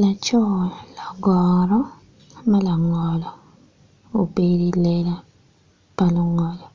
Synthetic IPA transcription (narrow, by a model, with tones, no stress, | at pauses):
la˨t͡ʃɔ˦˨la˨ɡɔ˨ɾɔ˦ | ma˦la˨ŋɔ˨lɔ˨ | o˨be˦ɾi˦le˦la˦ | pa˦lu˦ŋɔ˨lɔ˨